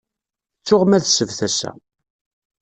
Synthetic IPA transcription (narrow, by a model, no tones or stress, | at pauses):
t͡sːʊʁmæðsəvθæsæ̰